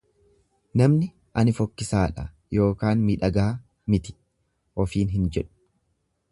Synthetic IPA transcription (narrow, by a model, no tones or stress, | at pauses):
nɐmnɪ | ʔɐnɪfɔkːɪsaːᶑɐ̰ | jo̞ːkaːnmiːᶑɐɡɐɐ | mɪt̪ɪ̥ | ʔɔfiːnɦɪnd͡ʒɛᶑʊ̥